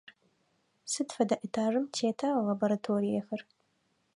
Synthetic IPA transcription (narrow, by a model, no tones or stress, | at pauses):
sɨdfɐdɐʔitʰaːʐɨmtʰeːtʰalɐboɾatʰoːɾijexɐr